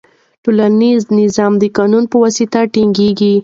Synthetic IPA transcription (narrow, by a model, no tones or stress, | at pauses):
ʈolaniznɪzɑmd̪əkɑnunpəwɑsit̪aʈiŋɡeɡi